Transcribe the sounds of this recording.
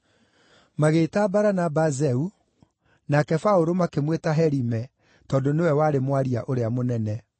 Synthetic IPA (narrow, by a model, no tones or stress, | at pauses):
maɣeːtabaɾanabazɛu | nakɛfaoɾomakemwetaɦɛɾimɛ | tɔːndonewɛwaɾemwaɾia̰ʔoɾeamonɛnɛ